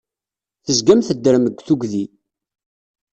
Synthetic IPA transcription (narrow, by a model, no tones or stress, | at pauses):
θəzɡæmθəd̪ːəɾməɡʷːθuɡði